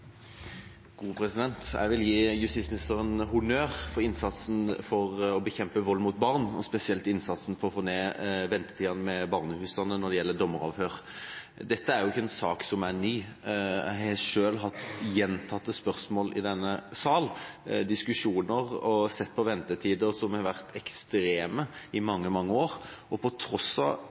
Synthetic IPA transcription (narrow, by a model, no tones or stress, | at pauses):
ɡ̥uːpʰɾɛsɪd̪ɛnt̪jæ̰ɪʋɪljiːjʉst̪ɪt̪smɪnɪst̪əʁənhʊnøːʁfɔɪnsɑt̪sn̩fɔʁɔbəçɛmpəʋɔlːmʊt̪̚bɑʁnɔ̰spɛsɪɛlt̪ɪnsɑt̪sn̩fɔʁɔfoːneːʋɛnt̪ə̥t̪ʰiːɑnəmɛbɑːʁnəhʉːsɑnənɔd̪ɛjɛlːəd̪ɔmːəɾɑ̰ːʋhøːʁ | d̪ɛt̪ːəæɾjʊɪçːəɛnsɑːksɔmænyːæhɛʂøːlɦɑt̪ːjɛnt̪ʰɑt̪ːəspœʁsmoːlɪd̪ɛnːəsɑːld̪ɪskʉʂuːnəʁɔsɛt̪ːpʰɔʋɛnt̪ət̪ʰiːd̪əɾsɔmhɑʋæʁt̪ʰɛkst̪ɾeːməɪmɑŋːəmɑŋːəoːʁɔpʰɔt̪ʰɾɔsɑ̰